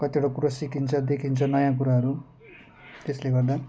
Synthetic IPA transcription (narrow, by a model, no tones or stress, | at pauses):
kʌt̪ioɽakuɾasikʰint͡sʰʌd̪ekʰint͡sʰʌnʌjãk̬uɾaɦʌɾu | t̪esleɡʌrd̪a